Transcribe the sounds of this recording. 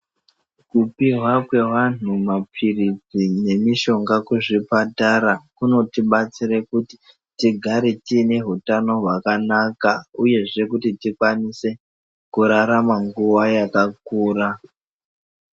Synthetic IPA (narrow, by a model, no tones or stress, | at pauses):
kupiɦwakwe̞ʋan̤umapʰirid͡zine̞miʃo̞ŋɡakuʐipataɾakuno̞tiɓat͡siɾekuti̥ | tiɡʱaɾetine̞ɦutano̞ɦwakanakauje̞ʐe̞kutitikwanise̞ | kuɾaɾamaŋɡuwajakak̚uːɾa